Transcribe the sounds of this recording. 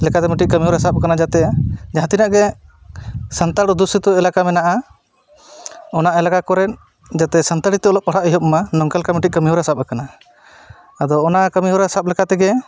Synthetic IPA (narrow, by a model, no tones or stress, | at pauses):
lɛkat̪ɛmiʈic̚ˀkəmiɦuɾasap̚kanad͡ʒat̪ɛd͡ʒaɦãt̪inaʔɡɛ | sənt̪aɽɔd̪usit̪ɔɛlakamɛnaʔa | ɔnaʔɛlaɡakɔɾɛn̚ | d͡ʒat̪ɛsant̪aɽit̪ɛɔlɔʔ̚paɽ̤aʔiɦɔp̚manɔŋkalkamiʈikəmiɦuɾasap̚akana | ad̪ɔːnakəmiɦuɾasap̚lɛkat̪ɛɡɛ